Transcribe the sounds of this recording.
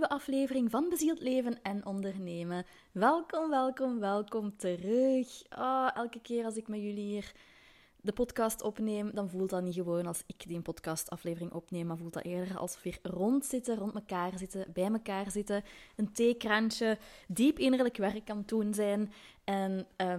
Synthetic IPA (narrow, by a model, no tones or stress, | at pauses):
ywəʔɑfleːvərɪŋvɑnəbəziːlˠtleːvənɛnʔɔndərneːmə | ʋɛlˠkɔmʋɛlˠkɔmʋɛlˠkɔmtərøɵxɔːɛlˠkəkɪːɾɑlˠzɪkmɛjyliɦiːr | dəpɔtkɑstɔpneːmdɑnvulˠtɑtniɣəʋoːnɑlˠsɪkdiənpɔtkɑstɑfleːvərɪŋʔɔpneːmmavuːlˠtɑ̰ʔeːrdəɑ̰lˠsəʋɪːrrɔntsɪtərɔntməkaːrzɪtəbɛjməkaːrzɪtəənteːkrɑnt͡ʃədipɪnərləkʋɛrkːɑntunzɛːnɛnə